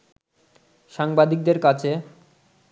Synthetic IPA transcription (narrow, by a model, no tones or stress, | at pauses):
ʃaŋbad̪ik̚d̪eɾkat͡ɕʰe